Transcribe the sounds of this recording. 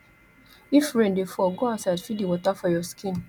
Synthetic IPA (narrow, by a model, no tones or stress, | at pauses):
ifɹẽndifɔɡoaʊsadfidiwɔtafɔjɔskĩn